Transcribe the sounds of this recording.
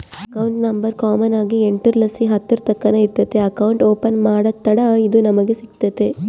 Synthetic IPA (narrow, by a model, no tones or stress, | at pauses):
ɐkɐwɳʈnɐmbɐɾkaːmɐnaːɡieɳʈɐɾlɐsiɦɐt̪ːɐɾt̪ɐkːɐnɐiɾt̪ɐt̪ːeɐkɐwɳʈoːpɐnmaːɽɐt̪ːɐɽɐid̪unɐmɐɡesikt̪ɐt̪e